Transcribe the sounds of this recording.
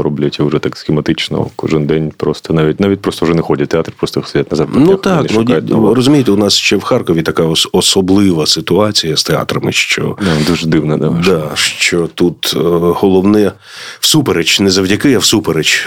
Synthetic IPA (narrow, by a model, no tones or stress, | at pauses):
ɾɔblʲɐtʲɐʊʐɛt̪aksxʲɪmɐt̪ɪt͡ʃnɔ̰kɔʒɪnd̪ɛnʲpɾɔst̪ɔnaʋʲit̚ʲnaʋʲit̚ʲpɾɔst̪ɔʊʐɛnɛxɔdʲɐt̚ʲt̪ːeat̪rpɾɔst̪ɔst̪ɐjatʲnɐzaɾpnut̪ɑk̪nukʲajt̪rɔzʊmʲijet̪eʊnɑsʃt͡ʃɛwxɑrkɔʋʲit̪ɐkɑɔsɔblˠɪʋɐsɪt̪ʊɑt͡sʲijɐst̪eɑ̰t̪ɾɐmɪʃt͡ʃɔ̰d̪uʒd̪ɪwnɐd̪ad̪ɑʃt͡ʃɔt̪ut̪hɔlˠɔwnɛ | wsupeɾet͡ʃnɛzɐwdʲɐkɪɐwsupeɾet͡ʃ